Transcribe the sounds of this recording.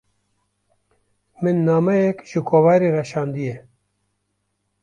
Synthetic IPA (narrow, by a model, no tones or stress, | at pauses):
mɨnːaːmɛjɛkʒɨkʰoːvaːɾirɛʃɑːnd̪ijɛ